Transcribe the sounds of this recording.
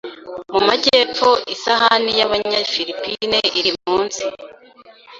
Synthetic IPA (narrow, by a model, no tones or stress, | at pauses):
mumaɟeːp͡fo̞isaɦanijaβaɲafiɾipineʔiɾimuːnzi